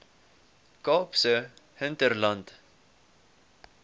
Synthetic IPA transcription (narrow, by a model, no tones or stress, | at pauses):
kɑːpsəhənt̪ərlant